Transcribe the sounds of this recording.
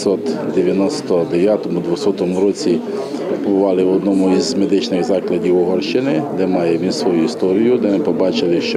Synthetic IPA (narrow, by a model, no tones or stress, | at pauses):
sɔt̪d̪eʋʲjɐnɔst̪ɔd̪eʋjat̪ɔmʊd̪ʋɔsɔt̪ɔmʊɾɔt͡sʲi | pɔbʊʋɑlˠɪwɔd̪nɔmʊizmed̪ɪt͡ʃnɪɣzɑklˠɐdʲiwɔɦɔrʃt͡ʃɪnɪd̪ɛmɑjɛʋʲinsʋɔjuist̪ɔɾʲijʊd̪ɛnɛpɔbɑt͡ʃɪlˠɪʃt͡ʃ